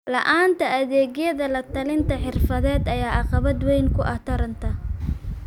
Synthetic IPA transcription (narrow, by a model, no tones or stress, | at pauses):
lɐ̰ʔaːnt̪ʰɐɐðɛːɣjɐðɐlɐt̪ʰɐlɪnt̪ʰɐħɪrfɐðɛːd̪ɐjaːʔɑqɑβɐd̪wɛjŋkʰʊʔɐt̪ʰɐɾɐnt̪ʰɐ